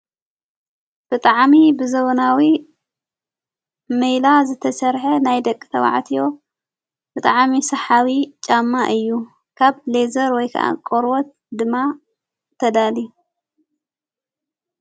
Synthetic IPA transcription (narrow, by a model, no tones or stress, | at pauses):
b̥ɨt̪ʼaʕmibɨzɐβɐnawi | mejlazɨt̪ʰɐsɐɾħenajd̪ɐkʼːi̥t̪ʰɐwa̰ʕ̰t̪ʰijo̞ | bɨt̪ʼaʕmisɐħawit͡ʃʼamːaʔɨjːu | kʰaβle̞zɐɾwɔjkʰɐ̰ʔa̰kʼoɾwɔt̪̚ | d̪ɨmːa | t̪ʰɐd̪ali